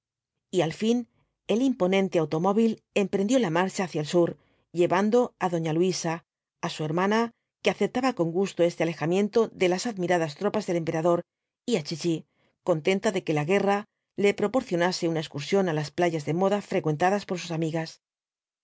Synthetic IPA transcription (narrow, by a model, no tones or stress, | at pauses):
ialfin | e̞limpo̞nẽ̞nt̪e̞awt̪o̞mo̞βil | e̞mpɾe̞nd̪jo̞lamaɾt͡ʃaːθjaelsuɾ | ʎe̞βand̪o̞aðo̞ɲalwisaː | sue̞ɾmãna | keaθep̚t̪aβako̞ŋɡust̪o̞e̞st̪eale̞xamjẽ̞nt̪o̞ðe̞lasaðmiɾaðast̪ɾo̞pazðe̞le̞mpe̞ɾaðo̞ɾ | iat͡ʃit͡ʃi | ko̞nt̪e̞nt̪aðe̞ke̞laɣe̞ra | le̞pɾo̞po̞ɾθjo̞nase̞unae̞skuɾsjo̞nalasplaʝazðe̞mo̞ðafɾe̞kwe̞nt̪aðaspo̞ɾs̬usamiɣas